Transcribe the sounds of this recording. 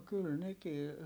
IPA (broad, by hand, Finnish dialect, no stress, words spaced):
kyl nekiː